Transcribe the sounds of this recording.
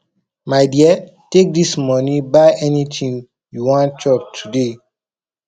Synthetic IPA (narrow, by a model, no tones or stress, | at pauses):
maɪdiə | tek̚dismɔnĩbaɪʔɛnitʰĩŋ | juwɔ̃ntɔp̚tʰude